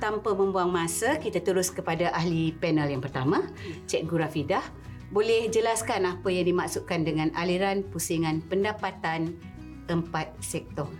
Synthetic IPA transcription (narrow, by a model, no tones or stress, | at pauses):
t̪ampamə̃mbuaŋmãsakit̪at̪uɾʊskəpadaʔahlipɛnəljaŋpərt̪amãt͡ʃɛt̪̚ɡuɾafidah | bolɛhd͡ʒəlaskanapajaŋdimaʔsuʔkandəŋãnaliɾanpusiŋãnpəndapat̪an | əmpat̪̚sɛk̚t̪ɔ